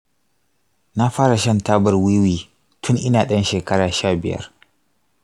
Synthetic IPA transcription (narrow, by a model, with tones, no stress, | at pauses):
na˦ɸaː˦ɽa˨ʃɐ˦ntaː˦bɐ˨rwiː˦wiː˨ | tʰʊ˦ŋʔɪ˦naː˨ɗɐ˦nʃeː˨kɐ˦ɽaː˨ʃaː˦˨bɪ̰˨jɐ̰˦r